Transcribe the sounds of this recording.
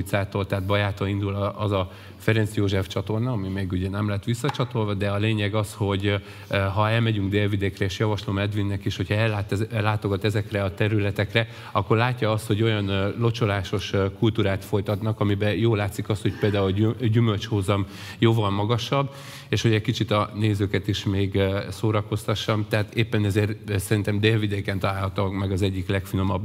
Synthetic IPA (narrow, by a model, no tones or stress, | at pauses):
t̪saːt̪olt̪ɛːt̪bɒjaːt̪oind̪ulɒzɒ | fɛɾɛnsjoːʒɛft͡ʃɒt̪o̞rnɒɒmimɛɡuɟɛnɛmlɛɦɛt̪ʋisːɒt͡ʃɒt̪o̞lvɒd̪ɛɒleːɲɛɡɒsho̞ɟ | ɦɒɛlmɛɟyŋɡd̪eːlvid̪eːkrɛeːʃjɒvɒʃlomɛd̪ʋinːɛkiʃho̞cʰhɒɛlːaːt̪ːaːt̪o̞ɡɒt̪ɛzɛkrɛɒt̪ɛɾylɛt̪ɛkrɛ | ɒkːo̞rlaːcːɒɒst̪ho̞ɟo̞jɒnlo̞t͡ʃo̞laːʃo̞ʃkult̪uːɾaːt̪fo̞jt̪ɒt̪nɒkɒmibɛjoːlaːt̪sikɒst̪ho̞c̚peːld̪aːulɟymø̞lt͡ʃhozɒm | joːvɒlmɒɡɒʃɒbː | eːʃho̞ɟɛckit͡ʃit̪ɒneːzøːkɛt̪iʃmeːɡsoːɾɒko̞st̪ɒʃːɒmt̪ɛɦaːt̪eːpːɛnɛzeːrsɛɾint̪ɛmd̪eːlvid̪eːkɛnt̪ɒlaːlɦɒt̪okmɛɡɒzɛɟːiklɛkfino̞mɒb